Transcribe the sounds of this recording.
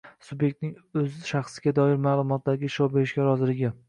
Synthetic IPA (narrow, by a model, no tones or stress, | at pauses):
sʊbje̞k̚ʲt̪̚nɪŋɵzɪʃaχsɪɡʲad̪ɒɪɾmaːlˠʊmɒt̪̚d̪aɡʲɪʃɒwbeɾɪʃɡʲaɾɒzɪlɪɡʲɪ